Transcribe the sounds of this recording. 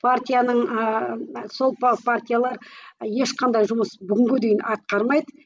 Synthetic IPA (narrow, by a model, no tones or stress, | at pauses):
pʰart̪ʲijanəɴ | so̞lˠpɑpʰart̪ʲijalˠɑɾje̞ʃqʰɑnd̪ɑjʒʊməsbʏɡʲɪŋɡʲɪd̪ejɪnɑt̪̚qɑɾmɑjd̪ə